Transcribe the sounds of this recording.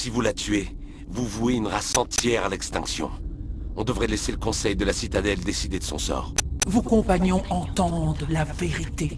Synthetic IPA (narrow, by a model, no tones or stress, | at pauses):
sivulat̪ɥe | vuvueynʁasɑ̃t̪jɛʁalɛkst̪ɛ̃ksjɔ̰̃ɔ̃d̪əvʁɛlɛseləkɔ̃sɛjd̪əlasit̪ad̪ɛld̪esid̪ed̪əsɔ̰̃sɔ̰ːʁvukɔ̃paɲjɔ̃ʔɑ̃t̪ɑ̃d̪ʁəlaveʁit̪e